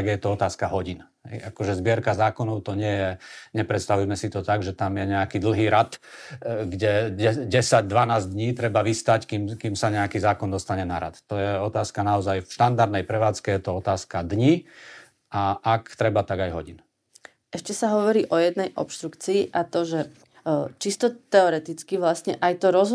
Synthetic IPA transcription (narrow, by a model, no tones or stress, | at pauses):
aɡjɛt̪ɔɔt̪aːskaɦɔɟinɦɛ̰jakɔʒɛzbɪɛɾkazaːkɔnɔʊt̪ɔɲɪɛjɛɲɛpɾɛt̪st̪aʋujmɛsit̪ɔt̪aɡʒɛt̪amjɛɲɛakid̪l̩ˠɦiːɾat̪ | ɡɟɛɛɟɛsaɟd̪ʋanaːzd̪ɲiːt̪ɾɛbaʋist̪ackimkimsaɲɛakizaːkɔnd̪ɔst̪aɲɛnaɾa̰t̪t̪ɔjɛɔt̪aːskanaɔzajfʃt̪and̪aɾd̪nɛjpɾɛʋaːt͡skɛjɛt̪ɔɔt̪aːskad̪ɲiː | aʔakt̪ɾɛbat̪aɡajɦɔɟin | ʔɛʃcɛsaɦɔʋɔɾiːʔɔjɛd̪nɛjʔɔ̰pʃt̪ɾukt͡siːʔat̪ɔʒɛ | t͡ʃist̪ɔt̪ɛɔɾɛt̪it͡skiʋlasɲɛʔajt̪ɔɾɔz